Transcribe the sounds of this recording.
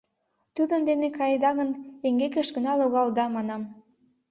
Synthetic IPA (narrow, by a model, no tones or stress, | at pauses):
t̪ud̪ənd̪enekɑjd̪ɑɣəneŋɡekeʃɡənɑloɣɑld̪ɑmɑnɑm